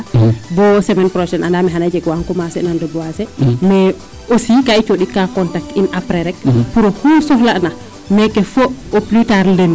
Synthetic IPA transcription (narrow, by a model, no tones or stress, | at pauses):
bɔsɛmɛnpɾɔʃɛnʔandamɛɦanad͡ʒɛɡwaŋkɔmasɛnandɔbɔwasɛmɛ | osikait͡ʃoɗikakɔntak̚tinʔapɾɛɾɛk̚puɾɔkusɔhlana | mɛkɛfooplutaɾlen